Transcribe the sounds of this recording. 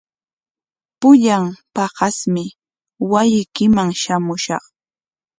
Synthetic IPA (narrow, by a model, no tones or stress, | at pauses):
pʊʎampɑɢɑsmɪ | wajɪkɪmaŋʃamʊʃɑ̰χ